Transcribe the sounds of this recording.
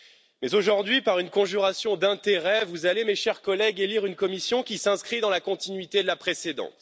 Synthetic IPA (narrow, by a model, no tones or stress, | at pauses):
mɛzoʒuʁd̪ɥipaʁynkɔ̃ʒyʁasjɔ̃d̪ɛ̃t̪eʁɛvuzalemeʃɛʁkɔlɛɡeliʁynkɔmisjɔ̃kʲisɛ̃skχid̪ɑ̃lakɔ̃t̪inɥit̪ed̪əlapχesed̪ɑ̰̃t̪